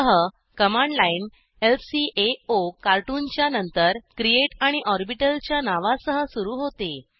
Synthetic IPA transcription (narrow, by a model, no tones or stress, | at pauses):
əɦə | kəmãɳɖlain | elsiʔeokaɾʈuːnt͡ɕjanənt̪əɾkɾieʈaɽ̃iʔɔɾbiʈəlt͡ɕjanaʋasəɦəsuɾuːɦot̪e